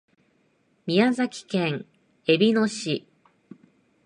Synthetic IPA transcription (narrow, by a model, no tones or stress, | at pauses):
mʲiazakʲi̥kẽ̞ŋ | e̞bʲino̞ɕi